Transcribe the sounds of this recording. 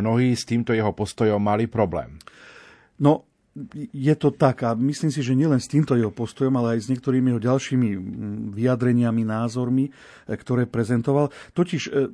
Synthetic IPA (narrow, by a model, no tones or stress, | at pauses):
nɔɦiːst̪iːmt̪ɔjɛɦɔpɔst̪ɔjɔmːalipɾɔblɛ̰ːm | nɔ | jɛt̪ɔt̪aɡamisliːmsiʒɛɲɪɛlɛnst̪iːmt̪ɔjɛɦɔpɔst̪ɔjɔmalɛajzɲɪɛk̚t̪ɔɾiːmiɛɦɔɟalʃiːmiʋiad̪ɾɛɲɪaminaːzɔɾmi | kt̪ɔɾɛːpɾɛzɛnt̪ɔʋalt̪ɔciʃ